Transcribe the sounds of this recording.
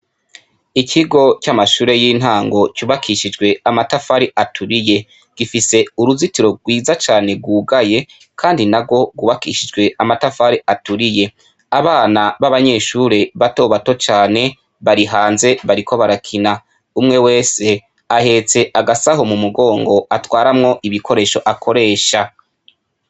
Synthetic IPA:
ikʰiɡo̞camaʃuːɾe̞jiːn̥ɦaːŋɡo̞cuβakʰiʃid͡ʒɡwe̞amatafaɾiʔatʰuɾije̞ | ɡ̥ifise̞uɾuzitiɾo̞ɡwiːzat͡ʃaːne̞ɡwuːɡaje̞ | kʰaːndinaɡo̞ɡwuβakiʃid͡ʒɡwe̞amatafaɾiʔatuɾije̞ | aβaːnaβaβaɲe̞ːʃuːɾeβato̞ːβato̞t͡ʃaːne̞ | βaɾiɦaːnze̞βaɾikʰo̞βaɾakʰina | umŋe̞we̞ːse̞ | ahe̞ːt͡se̞ʔaɡasaɦo̞mumuɡo̞ːŋɡo̞atwaːɾamŋo̞ʔiβikʰo̞ɾe̞ːʃo̞ʔakʰo̞ɾe̞ːʃa

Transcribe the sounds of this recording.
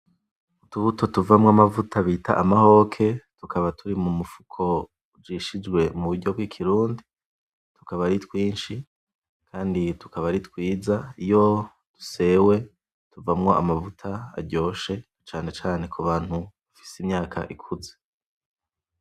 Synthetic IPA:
utuβuto̞tuvamŋoamavutʰaβiːta̰ʔamaho̞kʰe̞tukʰaβatʰuɾimumufu̥kʰo̞ | d͡ʒiʃid͡ʒɡwe̞muβuɾɟo̞bɡwiːkʰiɾuːndi | tu̥kaβaɾitwiːnʃi | kʰaːnditu̥kaβaɾitwiːzaijo̞ | d̥u̥se̞we̞ | tuvamŋo̞a̰mavutʰa̰ːɾɟo̞ːʃe̞ | t͡ʃaːne̞t͡ʃaːne̞kʰuβaːn̥huβafi̥simɲaːkʰa̰ʔikʰuze

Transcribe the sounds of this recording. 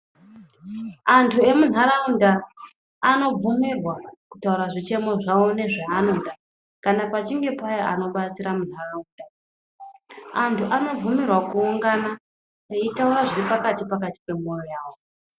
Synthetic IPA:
antʰue̞mun̤aɾaundaː | no̞b͡vumirwakutauɾaʐit͡ʃe̞mo̞ʐaone̞ʐaanonda | kanapat͡ʃiŋɡe̞pajaano̞ɓat͡siɾamun̤arauːnda | antʰuʔano̞b͡vumirwakuːŋɡana | eitauɾaʐiripakatipakati̥pe̞mojojaːwo

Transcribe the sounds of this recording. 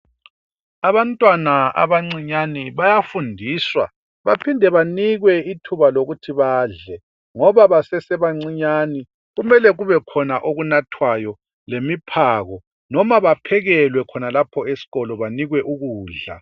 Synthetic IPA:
aβantʼwanaa̰βaŋ͡ǀiɲaniβajafundʱiːswa̰ | βapʰindʱɛβaniɣwɛitʰuβaloɣutʰiβaːɮɛ | ŋɔβaβasɛsɛβaŋ͡ǀiɲani | ɣumɛlɛɣuβɛkʰɔnaʔoɣunatʰwajɔ | lemipʰaɣɔ | nɔmaβapʰɛɣɛlwɛkʰɔnalapʰɔesi̥ɣɔlɔβaniɣwɛʔuɣuːɮa̰

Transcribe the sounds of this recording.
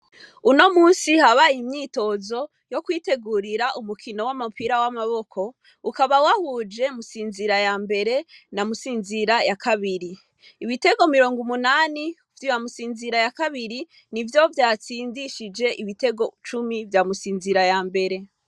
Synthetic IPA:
uno̞muːnsihaβaimɲiːto̞zo̞ | jo̞kwiːte̞ɡuɾiɾaʔumukʰino̞wamupiɾawamaβo̞kʰo̞ | ukaβawahud͡ʒe̞musiːnziɾajaːmbe̞ɾe̞namusiːnziɾajakʰaβiɾiː | βite̞ɡo̞miɾo̞ːŋɡumunaːni | vjuwamusiːnziɾajakaβiɾi | nivjo̞vjaːt͡siːndiʃid͡ʒe̞ʔiβite̞ɡo̞t͡ʃumivjamusiːnziɾajaːmbe̞ɾe̞

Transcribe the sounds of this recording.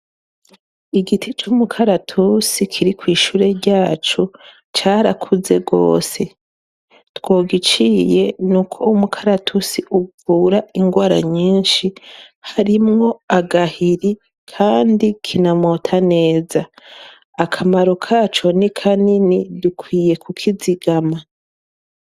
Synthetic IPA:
iɡitʰit͡ʃumukʰaɾatʰusikʰiɾikwiːʃuːɾe̞ɟaːt͡ʃu | t͡ʃaːɾakʰuze̞ɡo̞̰ːse̞ | two̞ːɡit͡ʃije̞nukʰo̞umukʰaɾatʰusiʔuvuːɾaiŋɡwaːɾa̰ɲiːnʃihaɾimŋo̞aɡahiɾi | kʰaːndikʰinamotʰane̞ːzaː | kʰamaɾokʰat͡ʃo̞nikʰaninidukwiːje̞kʰukʰiziɡama

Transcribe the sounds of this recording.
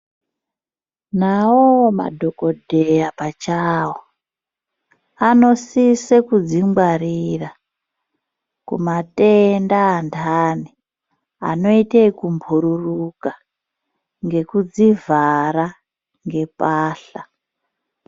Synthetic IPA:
nawoma̰dʱo̞ko̞dʱejapat͡ʃawo | ano̞sisekud͡ziŋɡwarira | kṵmatendaːndʰʱaːni | a̰no̞iteikumbʱuɾuruka | ŋɡe̞kud͡zivʱara | ŋɡe̞paːɬa

